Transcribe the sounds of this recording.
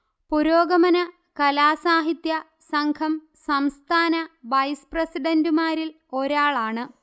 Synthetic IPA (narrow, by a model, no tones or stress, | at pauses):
puɾoːɡɐmɐnɐ | kɐlaːsaːɦit̪jɐ | sɐŋkʰɐm | sɐmst̪ʰaːnɐʋɐjsprɐsiɖɐndumaːɾil | o̞ɾaːɭaːɳɨ